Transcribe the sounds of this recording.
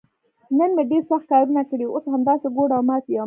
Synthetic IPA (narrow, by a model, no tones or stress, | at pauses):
nənmeɖeɾsaxt̪̚kɑɾunakəɽiwoshamd̪ɑseɡoɽawmɑt̪ija